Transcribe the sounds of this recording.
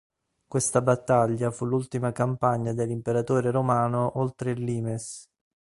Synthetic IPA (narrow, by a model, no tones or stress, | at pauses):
kwest̪abat̪ːaʎːafulːult̪imakampaɲːad̪elːimpeɾat̪oːɾeɾomaːnoʔolt̪ɾelːiːmes